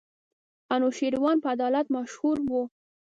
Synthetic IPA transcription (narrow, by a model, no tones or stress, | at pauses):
anoʃeɾwɑnpəad̪ɑlat̪maʃhuɾwu